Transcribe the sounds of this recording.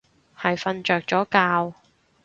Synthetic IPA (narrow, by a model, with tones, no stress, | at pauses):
hɐ˨jfɐ˧nt͡ʃœː˨k̚t͡ʃɔː˨˥kaː˧w